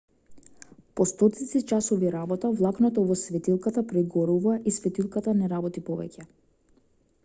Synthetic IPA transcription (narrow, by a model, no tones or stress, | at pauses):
pɔst̪ɔt̪it̪sit͡ʃasɔviɾabɔt̪avlˠaknɔt̪ɔvɔsvɛt̪ilˠkat̪apɾɛɡɔɾuvaisvɛt̪ilˠkat̪anɛɾabɔt̪ipɔvɛ̰cɛ